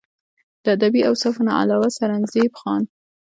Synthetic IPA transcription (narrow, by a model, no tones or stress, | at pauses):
d̪̥əad̪abiawsɑfna̰ʔa̰lɑwasaɾanzebxɑn